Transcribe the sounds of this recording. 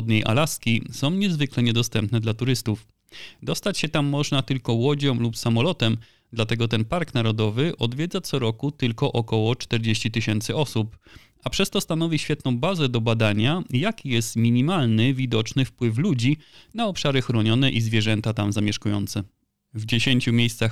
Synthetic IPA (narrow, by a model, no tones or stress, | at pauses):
ɔd̪ɲejʔa̰laskʲisɔ̃w̃ɲɛzvɘklɛɲɛd̪ɔst̪ɛmpnɛd̪lat̪uɾɘst̪uf | d̪ɔst̪at͡ɕɕɛt̪amːɔʐnat̪ɘlkɔwɔd͡ʑɔ̃w̃lupsamɔlɔt̪ɛm | d̪lat̪ɛɡɔt̪ɛnpaɾknaɾɔd̪ɔvɘʔɔd̪vʲjɛd̪zat̪sɔɾɔkut̪ɘlkɔʔɔkɔwɔt͡ʂt̪ɛɾd͡ʑeɕt͡ɕit̪ɘɕɛnt̪sɘɔsup | apʂɛst̪ɔst̪anɔvʲiɕfʲjɛt̪nɔ̃w̃bazɛd̪ɔbad̪aɲajakʲijɛst̪mʲiɲimalnɘvʲid̪ɔt͡ʂnɘfpwɘflud͡ʑinaɔpʂaɾɘxɾɔɲɔnɛʔizvʲjɛʐɛnt̪at̪amzamʲjɛʂkujɔ̰nt̪sɛ | vd͡ʑeɕeɲt͡ɕumʲjejst̪sax